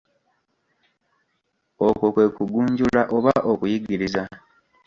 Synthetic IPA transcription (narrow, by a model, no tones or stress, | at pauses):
oko̞kwe̞ːkuɡuːɲɟulaʔo̞βaʔo̞kujiɡiɾiza